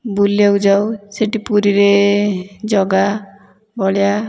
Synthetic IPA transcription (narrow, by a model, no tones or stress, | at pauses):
bulijaud͡ʒawseʈipuɾiɾe | d͡ʒɔɡa | bɔɭija